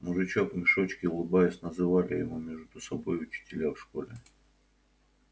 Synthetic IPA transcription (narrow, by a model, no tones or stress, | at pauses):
mʊʐɨt͡ɕo̞kmʲɪʂo̞t͡ɕkʲɪʊlˠɨbajɪsʲnəzɨvalʲɪjɪmumʲeʐd̪ʊsɐbo̞jʊt͡ɕɪ̥tʲɪlʲafʂko̞lʲɪ